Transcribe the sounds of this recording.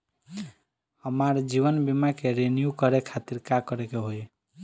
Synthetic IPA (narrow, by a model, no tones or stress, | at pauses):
əmaɾd͡ʒiʋənbimakeɾenjukəɾekʰat̪iɾkakəɾekeɦoj